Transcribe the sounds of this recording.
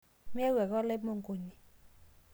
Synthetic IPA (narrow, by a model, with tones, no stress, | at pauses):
mɪ˦ɛ˦wɛ˨ɣɔ˦lɪ˦mo˦˨ŋɡo˨ɲi˨